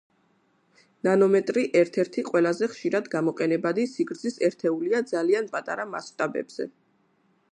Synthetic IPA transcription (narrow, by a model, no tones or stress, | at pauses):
nanɔmɛt̪ʼɾiʔɛɾt̪ʰɛɾt̪ʰiqʼwɛlˠazɛχʃiɾad̪ɡamɔqʼɛnɛbad̪isiɡɾd̪zisɛɾt̪ʰɛuliad̪zalianpʼat̪ʼa̰ɾama̰sʃt̪ʼabɛ̰bz̥ɛ̰